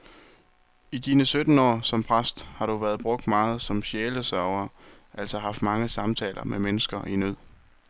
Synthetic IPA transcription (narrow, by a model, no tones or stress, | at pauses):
id̥iːnəsød̥n̩ɒ̰ːsɒ̽mpʰʁasd̥hɑ̈ɾ̥uʋæːɐð̞ˠb̥ʁɔ̽ɡ̥̚d̥mɑ̈ːð̞̩ˠsɒ̽mɕeːləsɶɐʊɐ | ʔæl̰sɒɦɑ̈fd̥mɑ̈ŋəsɑ̈mt͡sʰɛ̰ːlʔɐmemenəsɡ̥ɐʔinøð̰ˠ